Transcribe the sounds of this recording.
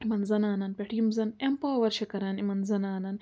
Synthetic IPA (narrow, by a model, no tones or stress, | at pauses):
imɐnzɐnaːnɐnpʲeʈʰimzɐnempaːwɐɾʃɐkɐɾɐnimɐnzɐnaːnɐn